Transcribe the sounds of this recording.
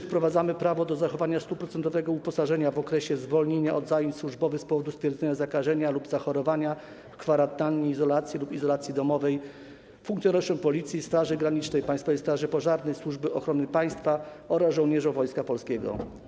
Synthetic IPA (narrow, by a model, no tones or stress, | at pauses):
fpɾɔvad̪zamɘpɾavɔd̪ɔzaxɔvaɲast̪upɾɔt̪sɛnt̪ɔvɛɡɔupɔsaʐɛɲavɔkɾɛɕɛzvɔlɲeɲaʔɔd̪zajeɲswuʐbɔvɘxspɔvɔd̪ust̪fʲjɛɾd̪zɛɲazakaʐɛɲalubzaxɔɾɔvaɲa | fkfaɾant̪aɲiːzɔlat̪sʲjilupizɔlat̪sʲjid̪ɔmɔvɛj | fuŋkt̪jɔnɔʂɔmpɔlʲit̪sʲjist̪ɾaʐɘɡɾaɲit͡ʂnɛjpajst̪fɔvɛjst̪ɾaʐɘpɔʐaɾnɛjswuʐbɘʔɔxɾɔnɘpaj̃st̪fa | ɔɾazʐɔwɲɛʐɔ̃vɔjskapɔlskʲɛɡɔ̰